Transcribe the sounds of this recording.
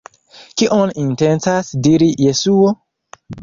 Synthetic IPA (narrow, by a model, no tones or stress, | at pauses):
kiʔoninte̞ntasdiɾije̞suo